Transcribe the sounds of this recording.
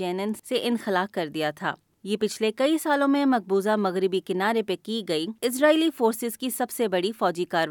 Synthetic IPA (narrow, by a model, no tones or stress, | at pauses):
ɛːnənseʔɪ̃nxɪlaːfkɐɾd̪ijat̪ʰa̰ː | jeːpɪt͡ʃʰlekɐisaːlõmẽmɐq̚buːzamɐɣɾɪbikɪnaːɾepekiɡɐiɪs̬ɾaːiːlifoːɾsɪzkisɐbsebɐɽifɔːd͡ʒikaːɾ